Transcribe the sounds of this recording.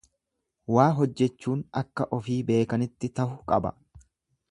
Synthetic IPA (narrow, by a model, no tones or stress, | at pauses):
waːɦɔd͡ʒːɛt͡ʃːuːnɐkːɐʔɔfiːbe̞ːkɐnɪt̪ːɪt̪ɐhʊkʼɐ̰bɐ̰